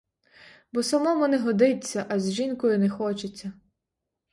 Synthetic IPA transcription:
bɔsɐmɔmʊnɛɦɔd̪ɪt͡sʲːɐʔɐzʲʒinkɔjʊnɛxɔt͡ʃet͡sʲːɐ

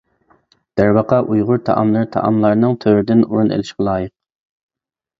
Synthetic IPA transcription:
d̪̥æɾwɑqʰɑʔujʁʊɾt̪ʰɑ̰ʔɑ̰mlˠɨɾt̪ʰɑ̰ʔɑ̰mlˠɑɾnɨŋt̪ʰøwɾɪd̪ɪnuɾunḛlɪʃqʲɛlˠɑːjɨq̚

